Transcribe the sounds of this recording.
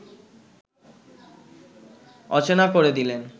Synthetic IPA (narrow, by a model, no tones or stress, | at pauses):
ɔ̰t͡ɕenakoɾed̪ilen